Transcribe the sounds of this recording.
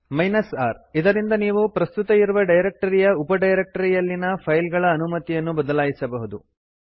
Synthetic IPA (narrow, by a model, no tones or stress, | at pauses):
mɐjnɐsaːɾid̪ɐɾind̪ɐniːʋupɾɐst̪ut̪ɐjiɾuʋɐɖɐjɾek̚ʈɐɾijɐupɐɖɐjɾek̚ʈɐɾijɐlːinɐpʰɐjlɡɐɭɐːnumɐt̪ijɐnːubɐd̪ɐlaːjisɐbɐɦud̪u